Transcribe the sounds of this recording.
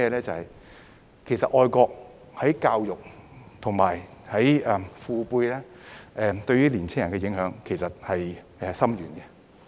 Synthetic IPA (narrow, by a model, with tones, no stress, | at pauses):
ɛː˧lɛː˥t͡sɐ˨hɐ˨j | kʰe˨˩jsɐ˨t̚ʔɔː˧jkɔː˧k̚ | hɐ˨˥jkaː˧wjʊ˨k̚t̪ʰʊ˨˩ŋmaː˨˩jhɐ˨˥jɛ˨fuː˨˧puː˧jlɛː˥ | ɛː˨t̪ɵ˧ɥyː˥liː˨˩nt͡sʰɪ˥ŋjɐ˨˩nkɛː˧jɪ˨˥ŋhœː˨˧˥ŋkʰe˨˩jsɐ˨t̚hɐ˨j | ɛ˨sɐ˥mjyː˨˩nɡɛ˧